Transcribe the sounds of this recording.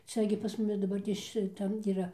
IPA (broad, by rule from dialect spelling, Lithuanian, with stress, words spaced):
ˈt͡sʲɛ ɡʲɪ pɐs ˈmʊmʲɪ dɐˈbɐrʲtʲeːs ʃʲɪˈtɐm iːˈrɐ